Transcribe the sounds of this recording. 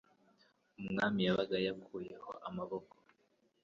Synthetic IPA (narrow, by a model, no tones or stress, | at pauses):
umŋaːmijaβaɡajakʰuːje̞ho̞̰ʔamaβoko̥